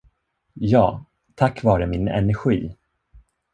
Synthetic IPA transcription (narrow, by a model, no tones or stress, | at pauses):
jɑː | t̪ʰakːvɑːɾəmɪnɛ̰næɾɧiː